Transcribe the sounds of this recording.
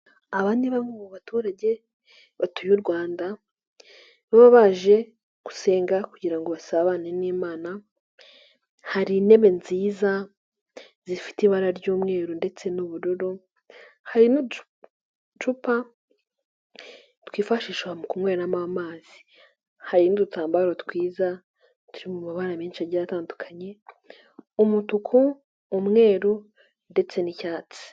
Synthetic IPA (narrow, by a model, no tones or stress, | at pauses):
aβaːndiβamomuβatuːɾaɟe̞ | βatujuɾɡwaːnda | βaβaβaʒe̞ | ɡ̥u̥se̞ːŋɡakuɟiɾaŋɡoβasaβaneniːmaːna | haɾine̞βe̞nziːza | zifi̥tiβaɾaɾɟuːmŋe̞ːɾonde̞t͡se̞nuβuɾuɾo | haɾinu | t͡ʃupa | twiːfaʃiːʃwamukumŋweːɾnamamaːz̥i̥ | haɾinudutaːmbaɾotkwiːza | tuɾimumaβaɾamiːnʃaɟaɾataːndukʰaɲe̞ | umutukʰuː | mŋe̞ːɾu | nde̞t͡se̞nicaːt͡si̥